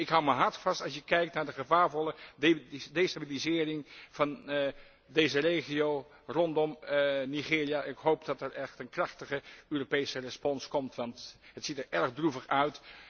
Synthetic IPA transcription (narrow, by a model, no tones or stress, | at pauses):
ɪkɦʌwməɦɑɹtfɑstɑlsjəkɛjk̚tnaːɹdəχəvaːɹvɔlə | destabilizɪːrɪŋv̥ɑn | dejzərejχiow | rɔndɔmniχɪːɹijanɪkɦowp̚dɑtɛɹɛχtənkrɑχtəχəøːropejsərɛspɔnskɔmtʋɑntɦətsitəɹʔɛɹχdruvəχœɥt